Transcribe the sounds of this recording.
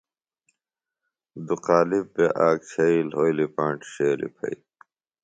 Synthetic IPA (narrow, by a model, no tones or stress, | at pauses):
d̪uqaːlib̚beʔaːk̚t͡ɕʰɐilɦoːjlipãːɳʈɕeːlḭpʰɐ̰i